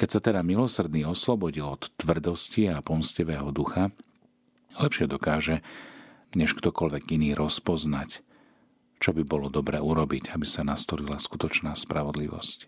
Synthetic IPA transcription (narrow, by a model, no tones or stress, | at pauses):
kɛcsat̪ɛd̪amilɔsr̩d̪niːɔslɔbɔɟilɔt̪ːʋr̩d̪ɔsciapɔmsciʋɛːɦɔd̪uxa | lɛpʃɪɛd̪ɔkaːʒɛ | ɲɛʃkt̪ɔkɔlʋɛɡiniːɾʔɔspɔznac | t͡ʃɔbibɔlɔd̪ɔbɾɛːuɾɔbiɟabisanast̪ɔlilaskut̪ɔt͡ʃnaːspɾaʋɔd̪liʋɔ̰sc